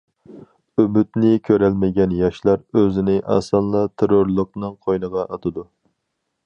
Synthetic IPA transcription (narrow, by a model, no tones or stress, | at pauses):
øbyt̪nɪkʲʰøɾɛlmɪɡʲɛnjɑʃlˠɑɾøzɪnɪʔɑ̰sɑnlˠɑt̪ʰeɾoɾlˠəq̚nɨŋqʰojnəʁɑʔɑt̪ʰɨd̪u